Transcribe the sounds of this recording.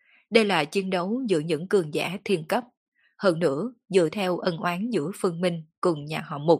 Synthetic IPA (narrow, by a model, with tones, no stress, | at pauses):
ɗə˧jlaː˨˩t͡ɕi˨˦ənɗə˨˦wzɨ̰˧˥əɲɨ̰˧˥ŋkɨ˨˩əŋza̰ː˧˩t̪ʰi˧ənkə˦˥p̚ | həː˧nːɨ̰˧˥əzɨ̰˧˨t̪ʰɛ˧wʔə˧nʔwaː˨˦nzɨ̰˧˥fɨ˧ənmï˧ŋ̟kʊ˨˩ŋ͡mɲaː˨˩ɦɔ̰˧˩˨mʊ˨˩t̚